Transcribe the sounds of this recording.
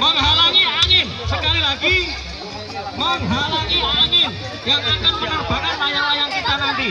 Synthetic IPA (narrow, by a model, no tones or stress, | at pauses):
məŋɦalaŋiaŋɪnsəkalilaɡi | məŋɦalaŋiaŋɪn | jaŋakan̚pənərb̥aɾansajaŋajaŋkit̪anant̪i